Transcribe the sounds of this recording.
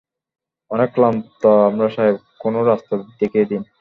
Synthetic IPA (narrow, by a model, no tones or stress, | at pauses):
ɔnekːlamt̪ɔamɾaʃaebkonoɾast̪ad̪ekʰied̪in